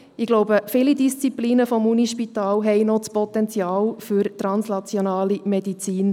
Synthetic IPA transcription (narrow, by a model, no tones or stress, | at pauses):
ɪɡ̥loʊbəfɪlidist͡sipliːnəfɔmuniʃpitaːlɦɛɪnɔt͡spɔt̪ɛnt͡sjaːlfyɾtɾɑnsnɑt͡sjonaːlimɛdit͡siːn